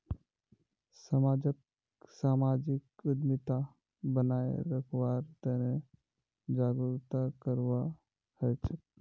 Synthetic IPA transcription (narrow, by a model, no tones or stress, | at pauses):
səmaːd͡ʒək̚ | saːmaːd͡ʒɪkʊd̪mɪt̪a | bənaːḛɾəkʰwaːɾt̪ɛne | d͡ʒaːɡɾut̪akəɾʋa | hɛt͡ʃʰə